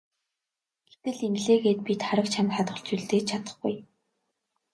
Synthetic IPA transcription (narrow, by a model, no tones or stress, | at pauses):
ɡ̥et̪ɘ̆ɮemɮeːɣeːt̪̚pit̪χaɾə̆k̚t͡ɕʰamχat̪ʁə̆ɮt͡ɕuɮt̪eːt͡ɕʰat̪ə̥̆χɡṵj